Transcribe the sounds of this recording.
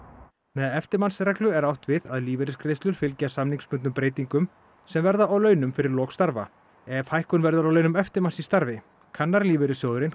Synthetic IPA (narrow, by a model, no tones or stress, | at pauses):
mɛðɛft̪ɪɾmansrɛklʏɛɾawht̪vɪðaðliːvɪɾʏskɾejst̪lʏɾ̥fɪlcasamniŋkspʏnt̪ʏmpɾeːjt̪iŋkʏm | sɛmvɛɾðaawlœːɥnʏmfɪɾɪɾlɔːɣst̪aɾva̰ | ɛvhajhkʏnvɛɾðaɾawlœːɥnʏmɛft̪ɪɾmansist̪aɾvɪ | kʰanːaɾliːvɪɾʏsjoːðʏɾɪn